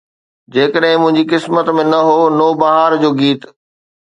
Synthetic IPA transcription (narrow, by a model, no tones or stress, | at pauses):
d͡ʑeːkəɗɦɪ̃mʊ̃ɦɪ̃ɲd͡ʑikɪsmət̪mẽnɐɦoːnoːbɐɦaːɾd͡ʑoːɡiːt̪